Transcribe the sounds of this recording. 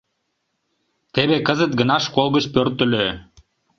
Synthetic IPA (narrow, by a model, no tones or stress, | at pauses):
t̪eβekəzət̪̚ɡənɑʃkolˠɣət͡ɕpørt̪ə̆lø